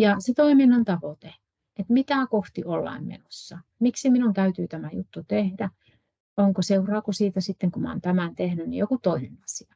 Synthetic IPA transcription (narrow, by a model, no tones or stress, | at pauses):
jɑset̪oiminːɑnt̪ɑʋot̪e | et̪mit̪æˑkoht̪iolːɑ̰immḛnosːɑmiksiminunt̪æyt̪yːt̪æmæjut̪ːut̪ehdæ | oŋkoseurɑːkusiːt̪æsit̪ːeŋkumɑ̰ːnt̪æmænt̪ehnynnḭjokut̪oinenɑsiɑ